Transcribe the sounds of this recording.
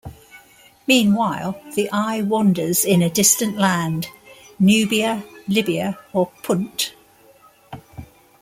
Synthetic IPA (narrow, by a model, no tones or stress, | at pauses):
mĩːnwaɪlˠðiʔaɪwɒ̃ndəz̥ɪ̃nədɪstə̃nʔlãnd | njʉːbiəlɪbiəəpʰʊ̃nt